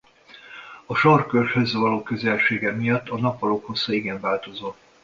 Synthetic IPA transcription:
ɒʃɒrkørʃhøzvɒloːkø̞zɛlʃeːɡɛmijɒt̪ːɒnɒpɒlokho̞sːɒiɡɛɱvaːlt̪o̞zoː

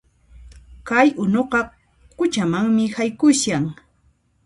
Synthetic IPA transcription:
kajʊnoqɑ | kʊt͡ʃamaŋmɪhajkʊʃaŋ

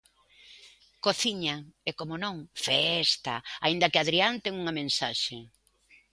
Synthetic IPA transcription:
koθiɲaɛkomonõŋfɛst̪aa̰ind̪ɐkɪaðɾiant̪ɛŋuŋɐmẽnsaʃe

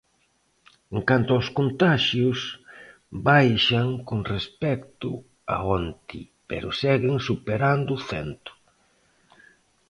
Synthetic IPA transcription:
eŋkant̪ʊaʊskont̪aʃjʊs | bajʃaŋkoŋrespɛkt̪ʊ | a̰ont̪ḭ | pḛɾʊsɛɣɪŋsupeɾand̪ʊθɛ̰nt̪ʊ̥

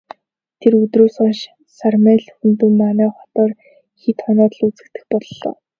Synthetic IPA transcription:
t̪ʰerɵt̪roːsɔnʃ | sarmæːɮxɵnt̪ɵ̆mːanæːχɔt̪ɔːr | xit̪χɔnɔːt̪ə̆ɮut͡sɘ̆kt̪ɘ̆xpɔɮɮɔ̰ː

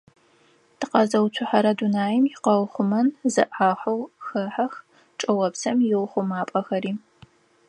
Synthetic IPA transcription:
tʰɨqɐzɐwt͡ʃʷʰʊħaɾɐdunaːjɪmjɪqɐwχʷʊmɐnzɨ̰ʔaːħʷɐwxɐħɐx | ʈ͡ʂʼɨwɐpsɐmjɪwχʷʊmaːpʼɐxɐɾiː

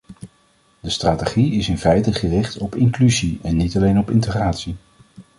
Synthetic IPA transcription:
dəstraːtəχiɪsɪnfɛjtəχərɪχtɔpɪŋklyziɛnːitɑlejnɔpɪntəχraːtsi

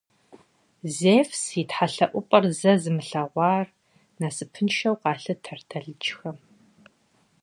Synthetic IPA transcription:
zeːfsitħaɬɐʔʷʊpʼɐrzɐzɨmɨɬɐʁʷɑːr | naːsɨpʰɨnʃɐwqɑːɬɨtʰɐrtʰɐɮɨt͡ʃʼxɐm

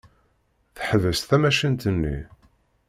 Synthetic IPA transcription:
θəħðəsθæmæʃint̪ənːḭ

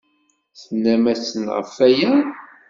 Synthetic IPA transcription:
θənːæmæsənʁə̰fːæjæ

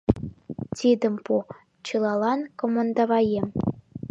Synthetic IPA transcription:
t̪ʲid̪ə̆mpu | t͡ɕɤlɑlɑnkomond̪ɑβɑjem

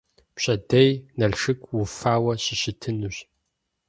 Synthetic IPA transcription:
pɕʼɐdɐjnɐɮʂɨkʷʰʼwʊfaːwɐɕɪɕɪtʰɨnuɕ

